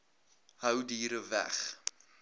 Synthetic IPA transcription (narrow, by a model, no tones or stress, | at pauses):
həwdiːɾəvæ̰χ